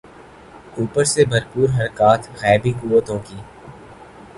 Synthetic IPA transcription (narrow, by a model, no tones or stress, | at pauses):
uːpəɾsebʱɐɾpuːɾɦɐɾkaːt̪ʰɣɛːbʱikuːwət̪ɦõːɡiː